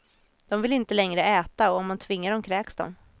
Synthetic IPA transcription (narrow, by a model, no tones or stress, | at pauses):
d̪̥ɔmvɪlɪnt̪əlɛŋɾəɛːt̪aɔɔmmant̪ʰvɪŋːaɖɔmkʰɾɛːksd̪ɔ̰m